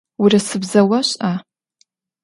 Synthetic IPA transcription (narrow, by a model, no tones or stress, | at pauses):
wirɨsɨbzɐwɐɕʼa